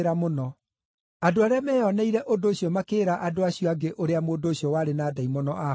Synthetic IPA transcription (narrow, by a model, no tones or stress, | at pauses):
ɾamonɔ | adoaɾeamɛːɔnɛiɾɛʔodoːɕiɔmakeːɾaʔadoaɕijɔaɡeʔoɾeamodoːɕiɔwaɾenaːdaimɔnɔʔa